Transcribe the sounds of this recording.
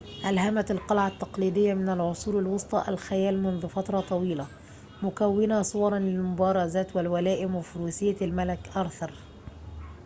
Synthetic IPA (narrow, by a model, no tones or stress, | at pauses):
ʔalɦamat̪alqɑlʕat̪ːɑqliːd̪ɪjːamɪnalʕʊsˤuːɾɪlwɑsˤt̪ˤɑʔa̰lxajæːlmʊnðʊfat̪ɾˤɑt̪ˤɑwiːla | mʊkawːɪnasˤowɑɾˤɑnlɪlmʊbɑːɾˤɑzaːt̪walwalæːʔɪmwɪfʊɾuːsɪjːalmalɪkʔɑɾθɑɾˤ